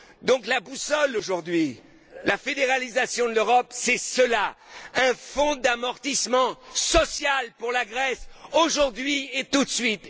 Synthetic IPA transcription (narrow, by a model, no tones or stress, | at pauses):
d̪ɔ̃klabusɔloʒuʁd̪ɥi | lafed̪eʁalizasjɔ̃d̪əløʁɔpsɛsəlaɛ̃fɔ̃d̪amɔʁt̪ismɑ̃sɔsjalpuʁlaɡʁɛsoʒuʁd̪ɥiet̪ut̪sɥit̪